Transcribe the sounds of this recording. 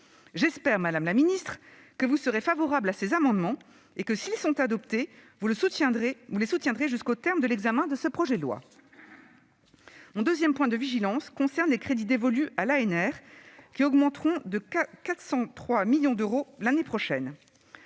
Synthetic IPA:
ʒɛspɛʁmad̪amlaminist̪χ | kəvusəʁefavɔʁablasezamɑ̃d̪mɑ̃ | ekəsilsɔ̃t̪ad̪ɔpt̪e | vuləsut̪jɛ̃ʁevulesut̪jɛ̃d̪ʁeʒyskot̪ɛʁmd̪əlɛɡzamɛ̃d̪əsəpχɔʒɛlwa̰ | mɔ̃d̪øzjɛmpwɛ̃d̪əviʒilɑ̃skɔ̃sɛʁnlekχed̪id̪evɔlyʔalaɛnɛʁkʲiɔɡmɑ̃t̪χɔ̃d̪əkat̪χsɑ̃t̪χwamiljɔ̃d̪øʁolanepχɔʃɛn

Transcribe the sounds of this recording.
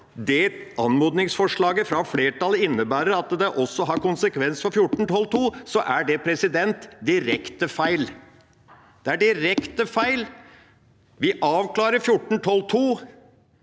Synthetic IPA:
d̪ɛ | ɑnmuːd̪nɪŋsfɔʂɭɑːɡəfɾɑfleːʈɑləɪnːəbæːɾəɾɑt̪d̪ɛʔɔsːɔɦɑɾkʊnsəkʰʋɛnsfɔɾfjʊʈːɳ̩t̪ʰɔlt̪ʰuːsɔʔæɖɛpʰɾɛsɪd̪ɛnt̪d̪ɪɾɛkt̪əfæɪl | d̪̥ɛæɖɪɾɛkt̪əfæɪl | ʋɪʔɑːʋkʰlɑːɾəɾfjʊʈːn̩t̪ʰɔlt̪ʰuː

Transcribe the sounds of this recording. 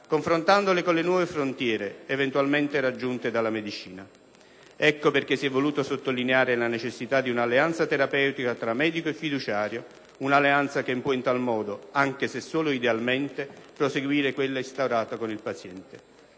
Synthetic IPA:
koɱfɾont̪and̪olekonlenwɔːvefɾont̪jɛːɾeːvent̪walment̪eɾad͡ʒːunt̪ed̪alːamed̪it͡ʃiːna | ɛkːoperk̟esiɛvːoluːt̪osot̪ːolineaːɾelanet͡ʃesːit̪ad̪iunalːeant̪sat̪eɾapɛwt̪ikat̪ɾamːɛːd̪ikoefːid̪ut͡ʃaːɾjo | unalːeant̪sak̟empwɔint̪almɔːd̪oaŋk̟esesːoːloid̪ealment̪epɾoseɡwiːɾekwelːaist̪awɾaːt̪akonilpat̪sjɛnt̪e

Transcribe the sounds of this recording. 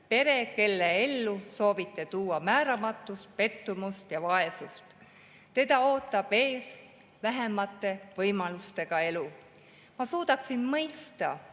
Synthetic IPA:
pe̞ɾe̞ke̞lːeelːuso̞ːvit̪ːˑe̞t̪uːɑmæːɾɑmɑt̪ːˑust̪̚pe̞t̪ːumust̪jɑvɑe̞sust̪ | t̪e̞d̪̥ɑo̞ːt̪ˑːɑb̥e̞ːs | væɦe̞mɑt̪ːˑe̞vɤjmɑlust̪e̞ɡ̥ɑe̞lu | mɑsuːd̪̥ɑksinmɤjst̪ɑ

